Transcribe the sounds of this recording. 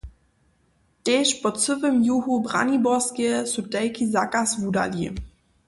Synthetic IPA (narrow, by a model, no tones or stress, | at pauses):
tɛːʃpɔt͡səvəmjuɦubʁa̰nibɔskɛsutɛlkʰizakasvuda̰li